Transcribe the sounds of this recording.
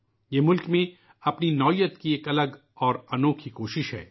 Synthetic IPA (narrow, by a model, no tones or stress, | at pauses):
jeːmʊlkmẽ | ɐpninɔːjət̪kieːkɐləɡ | ɔːɾɐnoːkʰikoːʃɪʃɦɛ̰ː